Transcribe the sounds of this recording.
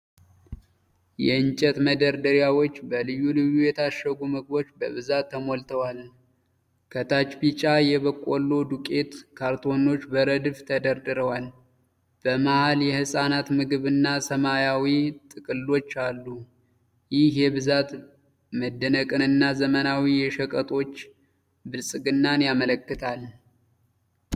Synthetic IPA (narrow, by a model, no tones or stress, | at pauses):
jɛɨnt͡ʃʼɛt̪məd̪əɾd̪əɾjawo̞t͡ʃːbəlɨjːulɨjːujɛt̪ʰaʃːəɡumɨɡ̚bo̞t͡ʃːbəβɨzat̪ʰːəmo̞lt̪ʰəwaln | kʰət̪ʰat͡ʃpit͡ʃʼajɛβəkʼːolːod̪ukʼe̞t̪kʰaɾt̪ʰo̞no̞t͡ʃːbəɾəd̪ɨft̪ʰəd̪əɾd̪ɨɾəwal | b̥əmahaljɛhɨsʼanat̪mɨɡɨβɨnːasəmajawit̪ʼɨkʼɨlːo̞t͡ʃːalːu | jɪhhjɛβɨzat̪ | məd̪ːənəkʼɨnɨnːazəmənawijɛʃəkʼət̪ʼo̞t͡ʃː | bɨlsʼɨɡɨnːanjamələkːɨt̪ʰal